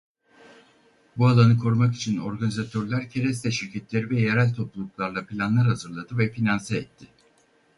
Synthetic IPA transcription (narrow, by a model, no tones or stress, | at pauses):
bualˠanɯkʰo̞ɾumaki̥t͡ʃʰino̞ɾɡanizat̪ʰøɾlʲˠæɾcʰeɾɛst̪ʰɛʃiɾcʰɛt̪lʲe̞ɾivɛjeɾælʲt̪ʰo̞plˠulˠuklˠaɾlˠapʰilʲanlˠaɾhazɯɾlˠad̪ɯvɛfinansɛɛt̪ʰːɪ